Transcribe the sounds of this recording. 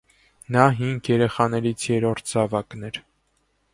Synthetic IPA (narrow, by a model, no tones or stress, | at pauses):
nɑɦiŋɡjɛɾɛχɑnɛɾit͡sʰjɛɾɔɾt̪ʰd͡zɑvɑknɛɾ